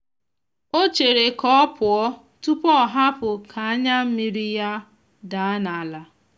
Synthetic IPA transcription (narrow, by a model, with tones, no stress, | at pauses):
o˦t͡ʃe˨ɾe˨kɔ˦pʰʊ˨ɔ˦ | tu˦pɔ˦˨ɦa˦pʊ˨kʰa˨a˦ɲa˦m̩˦mi˦ɾi˦ja˦ | da˨a˦na˨a˨la˨